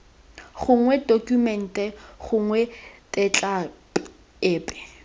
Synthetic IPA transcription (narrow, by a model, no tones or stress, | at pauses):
χʊŋwɛdokumɛn̩tɛχʊŋwɛtʼɛt͡ɬʼa | eːpʼɛ̥